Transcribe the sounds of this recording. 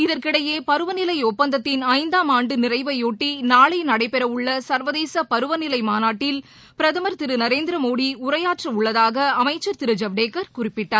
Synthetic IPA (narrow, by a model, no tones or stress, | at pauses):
ɪðɐrkɪɽɐjeːpɐɾɯʋɐnɪlɐɪɔpːɐnd̪ɐt̪ːɪnɐɪnd̪aːmaːɳɖɯnɪrɐɪʋɐɪoːʈːinaːɭɐɪnɐɽɐɪpɛɾɐʋɯɭːɐsɐɾʋɐðeːsɐpɐɾɯʋɐnɪlɐɪmaːnaːʈːɪl | pɪɾɐðɐmɐɾt̪ɪɾɯnɐɾeːnd̪ɪɾɐmoːɽiʊɾɐjaːʈrɐʊɭːɐðaːɣɐɐmɐɪt͡ʃːɐɾt̪ɪɾɯd͡ʒɐʋɖeːkːɐɾkʊrɪpːɪʈːaːɾ